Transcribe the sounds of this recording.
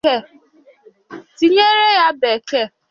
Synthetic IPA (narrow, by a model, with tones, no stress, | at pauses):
e˦˨ | ti˨ɲe˦ɾe˦ja˦be˨ke˦˨